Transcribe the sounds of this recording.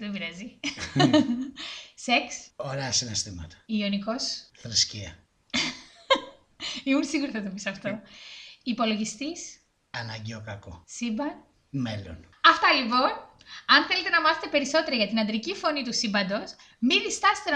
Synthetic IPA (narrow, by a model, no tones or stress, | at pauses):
evɾɐzi | seksoɾeɐsinest̪imɐt̪ɐ̥ioniko̞sθɾisciɐ̰ | iunsiɣuɾiθɐt̪opisɐft̪o̞ | ipo̞lo̞ʝist̪is | ɐnɐɲɟeo̞kɐko̰sibɐn | melo̰n | ɐft̪ɐlipo̞n | ɐnθelet̪e̞nɐmɐθet̪epe̞ɾiso̞t̪e̞ɾɐʝɐt̪inɐnd̪ɾicifo̞nit̪usibɐnd̪o̞s | miðist̪ɐst̪e